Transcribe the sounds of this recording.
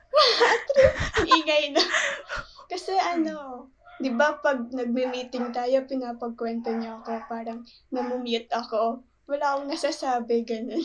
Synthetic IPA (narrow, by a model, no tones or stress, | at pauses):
wɐhat̪ɾɛʔɪŋɐjnɐ | kɐsɛʔɐno̞ | d̪ɪbapɐɡ̚nɐɡ̚mɪmiːt̪ɪŋt̪aːjo̞pɪnaːpɐɡ̚kwɛnt̪oɲoʔɐko̞paːɾɐŋ | nɐmʊmjɪt̪̚ʔɐko̞ | wɐlaːkoŋnɐsaːsaːbɛɡɐno̞n